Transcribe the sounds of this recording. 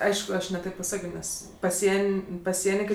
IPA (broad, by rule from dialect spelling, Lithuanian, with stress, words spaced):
ˈɐɪʃkʊ ˈɐʃ nʲɛ ˈtʲeːp pɐˈsɑːkʲoː ˈnʲɛs pɐˈsʲiɛnʲ pɐˈsʲiɛnʲɪ ˈkɐɪ